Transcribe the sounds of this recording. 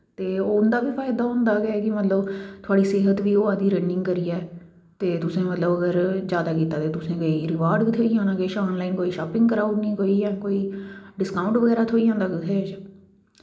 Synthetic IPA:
t̪eːoʊnd̪aːbiːpʰaːɪd̪aːʊ̃nd̪aːɡɛːkɪmət̪ləbt̪ʰʊaːɽiːseːɦət̪ʋiːoːãd̪iːɾɛ̃ːɳɖɪŋɡkəɾiːɛː | t̪eːt̪ʊsẽːmət̪ləbəɡəɾd͡ʒjaːd̪aːkiːt̪aːt̪eːt̪ʊsẽːkoːiːɾɪʋaːɾɖʋiːt̪ʰoːijãːnãːkeʃɔːnlaːinkoːiːʃaːpɪ̃ŋɡkəɾaːuʈnĩːkoːiːjãːkoːiːɖɪskãːʊ̃ɳʈʋəɡɛːɾaːt̪ʰoːiãːnd̪aːkɪt̪ʰoːd͡ʒa

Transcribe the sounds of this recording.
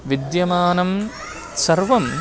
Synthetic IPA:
ʋid̪jɐmaːnɐm | sɐɾʋɐm

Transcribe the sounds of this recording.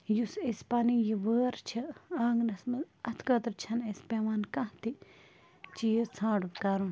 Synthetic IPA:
jusespaːnijiʋəːɾt͡ʃʰɐaːŋɡnɐsmɐ | ɐt̪ʰkɐt̪ɾt͡ʃʰɐnɐspeːʋaːnkɐ̃ht̪i | t͡ʃijsʰãːɖukaːɾun

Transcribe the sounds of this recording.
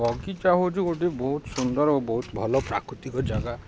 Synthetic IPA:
ɔɡit͡ʃaɦot͡ʃʰuoʈibɔɦut̪sund̪ɔɾobɔɦut̪bʱɔlɔpɾa̰kɾut̪ikɔd͡ʒaɡa

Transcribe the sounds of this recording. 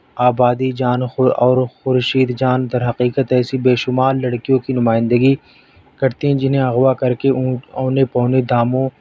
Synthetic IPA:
aːbaːd̪id͡ʒaːnɔːɾxʊɾʃiːd̪d͡ʒaːnd̪ɐɾɦɐqiːkət̪ɛːsibeːʃʊmaːɾːɐɽkijõkinʊmaːɪ̃nd̪əɡi | kɐɾt̪iɦɛ̃d͡ʒɪnɦẽɐɣwakɐɾkeõːnepɔ̃ːned̪aːmõ

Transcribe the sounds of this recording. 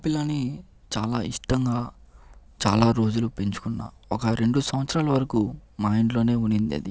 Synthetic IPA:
pilɐni | t͡ʃaːlaːiʂʈɐŋɡaː | t͡ʃa̰ːlaːɾo̞ːd͡ʒulupeɲt͡ʃu̥kunːa̰ː | ɔkɐɾe̞ɳɖusɐmʋɐt̪sɾaːlɐʋɐɾɐkumaːjɳɖlo̞ːne̞ːunind̪ḛd̪i

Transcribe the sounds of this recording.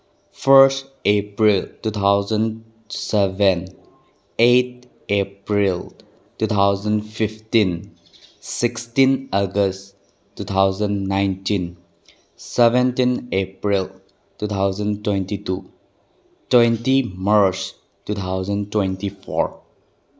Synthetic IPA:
fəɾsʈepɾiltut̪ʰaʊzə̃nɖ | sɛvɛ̃n | et̚ | epɾil | tut̪ʰaʊzə̃nfiftĩn | sɪkstĩnəɡəsʈ | tːut̪ʰaʊzə̃nnaɪ̃ntĩn | sɛʋɛ̃ntĩnepɾil | tut̪ʰaʊzə̃ntwẽntitu | twẽntimaɾt͡ʃ | tut̪ʰaʊzə̃ntwẽntifɔ̰ɾ

